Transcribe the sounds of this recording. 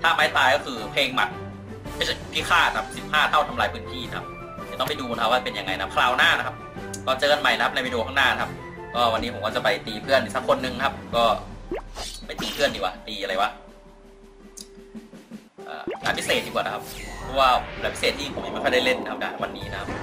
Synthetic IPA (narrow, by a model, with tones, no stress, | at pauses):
t̪ʰaː˥˩maː˦˥jt̪aː˧jkɔː˥˩kʰɯː˧pʰeː˧ŋma̰˨˩t̪̚ʰ | a˥˩spʰi˦˥kʰaː˥˩na˦a˧p̚si˨˥˩pʰaː˥˩t̪ʰa˥˩wt̪ʰa˧mlaː˧jpʰɯː˦˥nt̪ʰiː˥˩na˦kʰa˦˥p̪̚ː | t̪ɔ˥˩ŋma˥˩jduː˧n˦kʰa˥˩wa˥˩pe˧nja˧ŋa˧jna˦kʰa˥pkʰlaː˧˩wnaː˥˩na˦˥kʰa˦˥p̚ | kɔː˧˩t͡ɕɤː˧nma˨˩jna˦kʰa˥p̚na˧˥ma˥˩duː˧kʰɔː˥˩naː˥˩na˦kʰa˦˥p̚ | kɔː˥˩wa˧nːiː˦pʰo˨˦kɔː˥˩t͡ɕa˨˩pa˧jt̪iː˧pʰɯ˥˩əndiː˨˩sa˦˥kʰːo˧nːɯ˧ŋna˥kʰa˦˥p̚kɔː˥˩ | ma˥˩jt̪iː˨˧pʰɯ˥˩əndiː˨˩wa̰˨˩t̪iː˧a˧ɾa˧jwa˦˥ | ʔɤ̰ː˨˩kaː˨˩pʰi˦˥seː˨˩t̪̚di˧kwa˨˩na˦˥a˦˥p̚pʰɔ˦˧˥waː˥˩laː˨˩pʰi˦˥seː˨˩t̪ːʰiː˥˩pʰo˨˦mjm˧˥˩kʰːda˥˩jle˥˩nːa˦kʰa˧p̚t͡ɕa̰˨˩wa˧nːiː˦˥na˦˥kʰa˦˥p̚